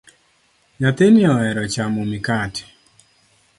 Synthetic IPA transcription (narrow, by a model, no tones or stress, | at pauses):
ɲat̪enɪɔɛɾɔt͡ʃamomikat